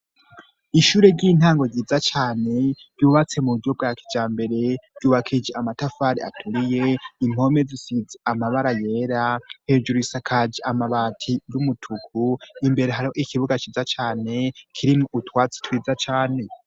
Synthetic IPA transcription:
iʃuːɾe̞ɾɟiːn̥haːŋɡo̞ziːzat͡ʃaːne̞v̥juːβat͡se̞muujo̞bɡaːki̥d͡ʒaːmbe̞ɾe̞v̥juːβakʰid͡ʒeamatafaːɾia̰tʰuɾije̞im̥o̞me̞zisiid͡zeamaβaɾaje̞ːɾahe̞d͡ʒuɾisakʰad͡ʒeamaβaːtʰijumutʰukʰuimbe̞ɾe̞ɦaɾihoʔikʰiβuɡat͡ʃiːzat͡ʃaːne̞kʰiɾimŋoʔutwaːt͡si̥twiːzat͡ʃaːne̞

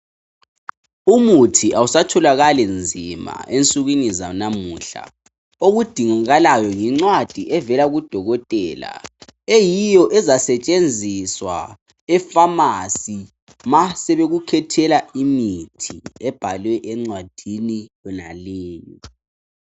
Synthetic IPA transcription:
umutʰiʔausatʰɔlaɣalɛnd͡zʱima̰ʔent͡sʼuɣinizanamuːɬa̰ | oɣud̥ʱiŋaɣalajɔŋiŋ͡ǀwad̥ʱiʔɛvɛlaɣud̥ʱɔɣɔtʼɛːla̰ejijɔʔɛzasɛt͡ʃʼend͡zʱiswa̰ | ɛfamasi | masɛβeɣukʰɛtʰɛlaimitʰiɛb̥ʱalwɛʔɛŋ͡ǀwad̥ʱinijɔnaliːni

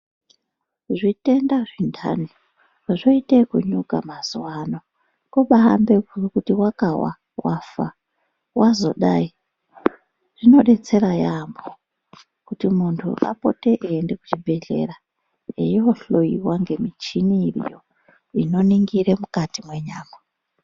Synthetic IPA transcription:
ʐite̞ndaʐintʰa̰ni | ʐoitekuɲukamaz̥wano̞ | koɓaa̰mbekurkutiwakawa̰ | wafa̰ | wazo̞̰ɗai | ʐ̥ino̞ɗe̞t͡se̞ɾajambo | kutimuntʰṵʔa̰po̞̰te̞ʔeːndeku̥t͡ʃibʱe̞ɮe̞̰ɾa | ḛjoɬo̞iwaŋɡe̞mit͡ʃinirḭjo̰ | ino̞niŋɡiɾemukatimwe̞ɲaːma

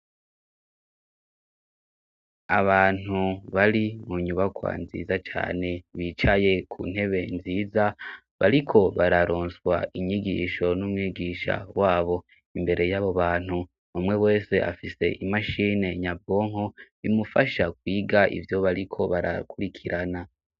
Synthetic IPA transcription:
aβaːn̥uβaɾimuɲuβakwa̰nzḭːzat͡ʃa̰ːne̞βit͡ʃaje̞kʰṵn̥he̞βe̞nziːza | βaɾikʰo̞βaɾaɾoːnswaiɲiɡḭːʃo̞numŋiːɡiːʃa̰waːβo̞ | imbe̞ɾʔe̞jaβo̞βaːn̥hu | umŋe̞we̞ːse̞ʔa̰fise̞̰ʔimaʃiːne̞ɲabo̞ːŋho̞βimufaʃakwiːɡaʔḭvjo̞βaɾikʰo̞βaɾa̰kuɾikʰiɾana

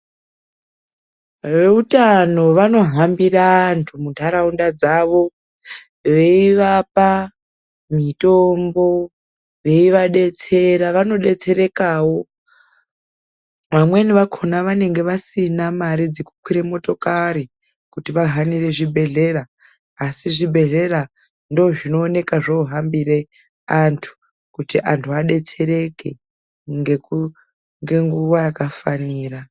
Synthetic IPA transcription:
ʋe̞utano̞ʋano̞ɦambiraːntʰumuntʰaɾaundad͡zaʋo̞ | ʋe̞iʋapa | mitombo̞ | ʋe̞iʋaɗe̞t͡se̞ɾaʋano̞ɗe̞t͡se̞ɾe̞kawo̞ | ʋamwe̞niʋakʰonaʋane̞ŋɡe̞ʋasinamaɾid͡zekukwiɾemo̞to̞kaɾi | kutiʋaɦanire̞ʐibʱe̞ɮe̞raː | siʐibʱe̞ɮe̞ra | ndoʐino̞ːne̞kaʐoːɦambiɾe̞ | antʰu̥ | kutiʔantʰuaɗe̞t͡se̞ɾe̞ke̞ | ŋɡeku | ŋɡe̞ŋɡuwajakafaniːra

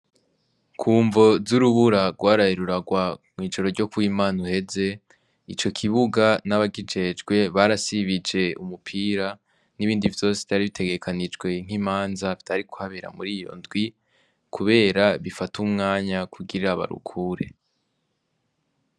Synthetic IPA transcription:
kʰuːɱvo̞zuɾuβuɾaɾɡwaːɾaheɾuɾaɡwamŋiːd͡ʒo̞ɾo̞ɾɟo̞kuwiːmaːnuhe̞ze̞ | it͡ʃo̞kʰiβuɡanaβaɡid͡ʒe̞d͡ʒɡwe̞βaɾasiβid͡ʒe̞umupʰiːɾa | niβiːndivjo̞se̥vtaɾiβitʰe̞ɡe̞kʰanid͡ʒɡwe̞ŋ̥imaːnzavi̥tʰaɾiku̥haβeɾa̰muɾijo̞̰ndɡwi | kʰuβe̞ːɾaβifatumŋaːɲakʰuɡiɾaβa̰ɾṵkʰuːɾe̞̰

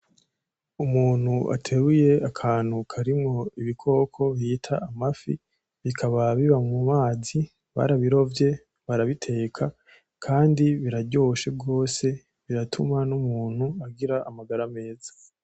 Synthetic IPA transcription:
umuːn̥huʔa̰tʰe̞βuje̞akʰaːn̥hukʰaɾimŋo̞iβikʰo̞ːkʰo̞βitʰaːmafḭ | βikʰaβaβiβamŋumaːzi | βa̰ɾaβiɾo̞vje̞ | βaɾaβitʰe̞ːkʰa | kʰaːndiβiɾaɟo̞ːʃe̞b̚ɡo̞ːse̞ | βiɾatʰumanumuːn̥huaɡiɾaʔːmaɡaɾame̞ːzḁ

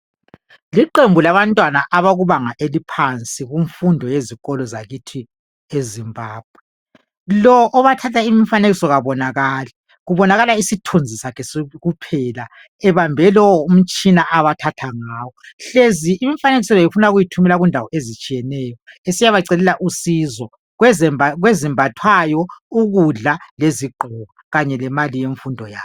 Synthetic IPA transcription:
liǃembʱulaβantʼwanaʔaβaɣuβaŋaʔelipʰant͡sʼiɣuɱfundʱɔjeziɣɔlɔzaɣitʰi | ezimbʱaːb̥̚ʱwɛ | lɔʔːβatʰatʰaimifaneɣisɔɣaβɔnaɣaːla | ɣuβɔnaɣalaisitʰond͡zʱisakɛsɣupʰɛla | ɛβambʱɛlɔwɔum̩t͡ʃʼinaʔaβatʰatʰaŋaːwɔɬeziːmifaneɣisɛlɔjifunaɣujitʰumɛlaɣundʱawɔʔezit͡ʃʼijɛnɛːjɔesijaβaǀɛlɛlaʔusizɔ | ɣwɛɛɣwezimbʱatʰwajɔuɣuɮaleziǃʱuɣaɣaɲɛlɛmalijeɱfundʱɔja̰ː

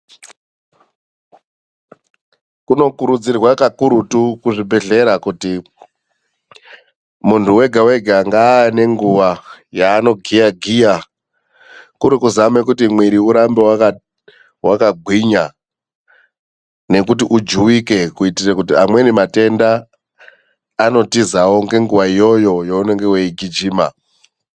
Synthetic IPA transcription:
kuno̞kuɾud͡zirwakakuɾutukuʐibʱe̞ɮe̞ɾakuti | muntʰuwe̞ɡʱawe̞ɡʱaŋɡane̞ŋɡuʋajaːno̞ɡʱijaɡʱija | kuɾikuzame̞kutimwiɾiuɾambewaka | wakaɡʱwiɲa | ne̞kutiʔud͡ʒuwike̞kuitirekutiamwe̞nimate̞nda | no̞tizawo̞ŋɡe̞ŋɡuʋaijo̞jo̞joune̞ŋɡeweiɡʱid͡ʒiːma̰

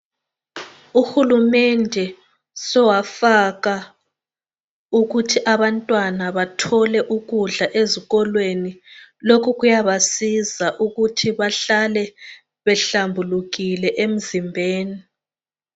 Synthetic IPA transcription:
uxulumɛndʱɛ | sɔwafaɣa | uɣutʰiʔaβantʼwanaβatʰɔlɛʔuɣuɮaʔeziɣɔlwenilokʰuɣujaβasizaʔuɣutʰiβaɬalɛ | βɛɬambʱuluɣilɛʔem̩zimbʱeːni

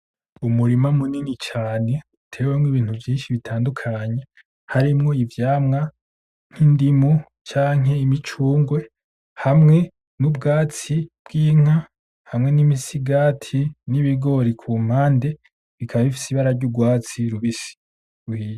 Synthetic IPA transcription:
umuɾimamuninit͡ʃaːne̞ | utʰe̞ːwemwiβiːn̥uvjiːnʃiβitʰaːndukʰaɲe̞ | haɾimŋo̞ivjaːmŋa | ŋ̥hindimu | t͡ʃaːŋ̥ɦe̞imit͡ʃuːŋɡwe̞ | hamŋe̞ | nub̚ɡaːt͡sibɡ̥iːŋ̥a | hamŋe̞nimisiɡaːtʰiniβiɡo̞ɾikʰum̥haːnde̞ | βikʰaβaβifi̥siβaɾaɾɟuɡwaːt͡siɾuβisi̥ | ɾuhiːja

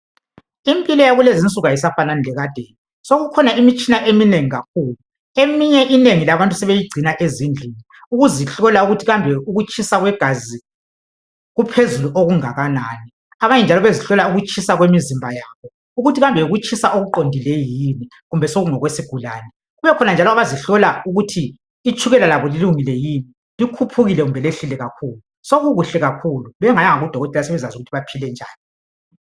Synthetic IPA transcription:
impʼilɔjaɣulezint͡sʼuɣajisafananilɛɣad̥ʱeːni | soɣukʰɔnaimit͡ʃʼinaʔemineŋiɣakʰuːlu | emiɲɛʔineŋilaβantʼusɛβejiɡ͡ǀʱinaʔezind͡ɮʱiniuɣuziɬɔlauɣutʰiɣambʱɛuɣut͡ʃʰʼisaɣwɛɡ̥ʱazi | ɣupʰezuluʔoɣuŋaɣanaːni | aβaɲɛnd͡ʒʱalɔβeziɬɔlauɣut͡ʃʼʰisaɣwemizimbʱajaβɔ | uɣutʰiɣambʱɛuɣut͡ʃʰʼisaʔoɣuǃondʱilɛjjimi | ɣumbʱɛsoɣuŋɔɣwesiɡ̥ʱulaːnɛ | ɣuβɛkʰɔnand͡ʒʱalɔaβaziɬɔlauɣutʰiː | t͡ʃʰʼuɣɛlalaβɔliluŋilɛjimi | likʰupʰuɣilɛɣumbʱɛleɬilɛɣakʰuːlu | soɣuɣuɬɛɣakʰuluβɛŋajaŋaɣud̥ʱɔɣɔtʼɛlas̬ɛβɛzazuɣutʰiβapʰilɛnd͡ʒʱa̰ːni

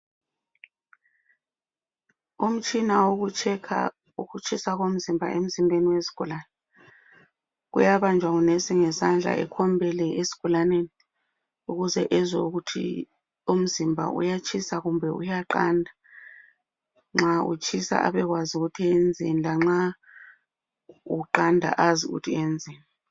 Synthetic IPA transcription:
um̩t͡ʃʼinawoɣut͡ʃʰɛkʰa̰ | uɣut͡ʃʰʼisaɣom̩zimbʱa̰ʔem̩zimbʱeniwesi̥ɣ̥ulanɛ | ɣṵjaβand͡ʒʱwaɣunesiŋɛsand͡ɮʱa̰ʔɛ̰kʰɔmbʱɛlɛʔesi̥ɣ̥ulaneni | uɣuzɛ̰ʔɛzo̰ɣutʰḭ | um̩zimbʱa̰ṵjat͡ʃʰʼisaɣumbʱɛṵjaǃandʱa | ŋ͡ǁaṵt͡ʃʰʼisa̰ʔa̰βɛɣwaziɣutʰiend͡zʱinilaŋ͡ǁa | uǃandʱa̰ʔaziɣṵtʰiend͡zʱiːna

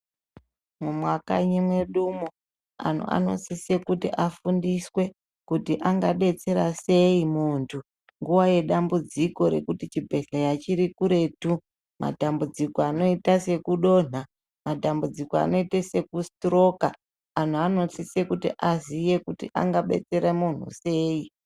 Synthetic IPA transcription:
mumwaka̰ɲimwe̞ɗumu | a̰n̤ṵʔa̰no̞̰sisekutiʔafundiswe̞ | kutiʔaŋɡaɓe̞t͡se̞ɾase̞imuːntʰu | ŋɡuwaje̞ɗambud͡ziko̞ɾe̞̰kutit͡ʃibʱe̞ɬajat͡ʃiɾikuɾe̞tu | ma̰tambud͡zikoano̞itase̞kuɗo̞n̤a | matambud͡zikoa̰no̞itese̞kustro̞kaː | n̤uano̞sisekutiʔazije̞kutiʔa̰ŋɡaɓe̞̰t͡se̞ɾemun̤ṵse̞ːi

